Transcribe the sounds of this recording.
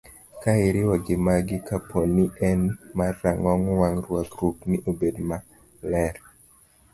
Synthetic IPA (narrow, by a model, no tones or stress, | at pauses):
kaɪɾɪwɔɡɪmaɡɪkapʰoniʔɛnmarːaŋɔŋwaŋrwaɡɾupnɪʔobedma | lɛɾ